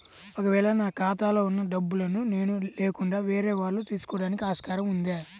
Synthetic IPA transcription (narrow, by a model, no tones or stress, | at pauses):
okɐʋɛːɭɐnaːkaːt̪aːlo̞ːunːɐɖɐbːulɐnune̞ːnuleːkuɳɖaːʋeːɾeːʋaːɽːut̪iːsu̥kɔːɽaːnikiaːʂkaːɾɐmund̪aː